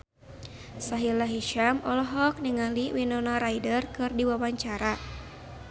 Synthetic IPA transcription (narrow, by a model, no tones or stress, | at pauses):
saɦilaɦiʃamɔlɔɦɔk̚niŋaliwinɔnaɾaidərkɨrdiwawaɲt͡ʃaɾa